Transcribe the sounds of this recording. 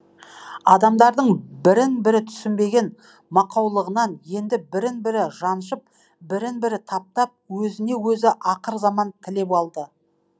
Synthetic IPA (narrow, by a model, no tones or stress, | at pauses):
ɑd̪ɑmd̪ɑɾd̪əɴbɪɾɪnbɪɾɪt̪ʰʏ̥sɪmbe̞ɡʲe̞n | mɑqɑwlˠəʁənɑnje̞nd̪ɪbɪɾɪnbɪɾɪʒɑnʃəp̚ | bɪɾɪnbɪɾɪt̪ʰɑp̚t̪ɑp̚wɵzɪne̞wɵzɪʔɑqəɾzɑmɑnt̪ʰɪle̞p̬ɑlˠd̪ə